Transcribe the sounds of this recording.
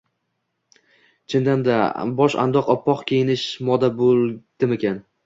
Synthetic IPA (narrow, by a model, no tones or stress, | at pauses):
t͡ʃʰɪnd̪and̪abɒʃa̰nd̪ɒqɒpʰːɒqkʲʰejɪnɪʃmɒd̪abolˠd̪̥ɪmekʲan